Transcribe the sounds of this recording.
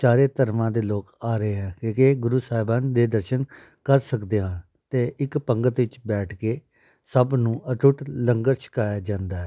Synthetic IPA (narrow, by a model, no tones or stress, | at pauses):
t͡ʃaːɾeːt̪əɾmãːd̪eːloːkaːɾəeːɦɛ̃ːkeːkeːɡʊɾuːsaːɦɪbãːnd̪eːd̪əɾʃən | kəɾsəkd̪eːɦə̃ | t̪eːʔɪkpəŋɡət̪ʋɪt͡ʃbɛːʈʰkeː | səbnũːəʈʊʈləŋɡəɾt͡ʃʰɪ̥kaːjaːd͡ʒãːnd̪aːɦɛː